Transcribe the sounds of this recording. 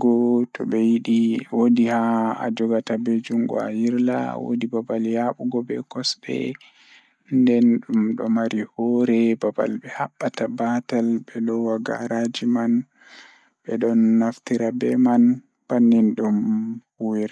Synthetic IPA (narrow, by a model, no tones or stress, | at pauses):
ɡɔtʰɔ̰ɓɛjiɗiwodihaa̰d͡ʒɔɡatabɛd͡ʒuŋɡɔ̰a̰jiɾla̰wo̰dibabaljaɓuɡɔbɛkɔsbɛ̰ | ndɛnɗumɗɔ̰maɾihɔɾɛbaba̰lbɛhaɓːatabatalɓɛlɔwaɡa̰ɾad͡ʒiman | bɛɗɔnːaftiɾabɛman | banːinɗum | wiɾ